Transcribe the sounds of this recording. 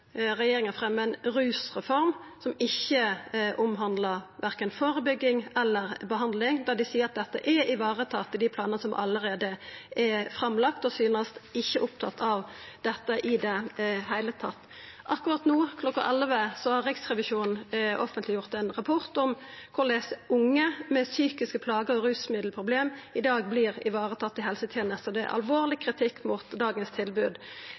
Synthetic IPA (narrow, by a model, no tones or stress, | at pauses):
ɾɛjeːɾɪŋənfʁɛmːəɛnɾʉːsʁɛfɔɾmsɔmɪçːəʔʊmɦɑnd̪ləʁʋæʁkənfoːɾəbʏɡːɪŋɛlːəʁbəɦɑnd̪lɪŋd̪ɑd̪ɪsiːəɾɑt̪̚d̪ɛt̪ːə̰ʔɛɪʋɑːʁət̪ʰɑːt̪ːɪld̪ɪpʰlɑːnənəsɔmʔɑ̰lːəɾeːd̪əɛfɾɑmlɑkt̪ɔsyːnəst̪ɪçːəʔʊp̚t̪ʰɑ̰t̪ːʰɑʋd̪̥ɛt̪ːəʔɪd̪ɛhæɪlət̪ʰɑt̪ː | ʔɑkːʊʁɑt̪nuːkʰlɔkːɑʔɛlʋəsɔhɑʁʁɪksʁɛʋɪʃuːnn̩ʔɔfənt̪lɪjʊʁt̪ɛnʁɑpʰɔʁt̪ɔmkʰʊʁleːsəʔʊŋːəmɛsyːkɪskəpʰlɑːɡəɔɾʉːsmɪd̪lpʰʁʊbleːmɪd̪ɑːɡ̚blɪʁɪ̰ʋɑːʁət̪ʰɑt̪ːɪɦɛlsət̪ʰɛːnəst̪ɔd̪ɛ̰ʔɑ̰lʋoːʁlɪkʰʁɪt̪ʰɪkːmuːt̪d̪ɑːɡənst̪ʰɪlbʉːd̪